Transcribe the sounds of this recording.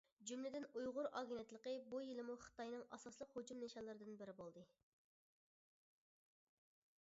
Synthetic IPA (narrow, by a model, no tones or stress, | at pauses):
d͡ʒymlɪd̪ɪnujʁʊɾʔɑɡʲinɛt̪lˠəqəbujilˠɨmuχə̥t̪ɑjnɨŋɑsɑslˠəqhod͡ʒumneʃɑlˠɨɾɨd̪ɨnbɪɾɪbolˠd̪ɨ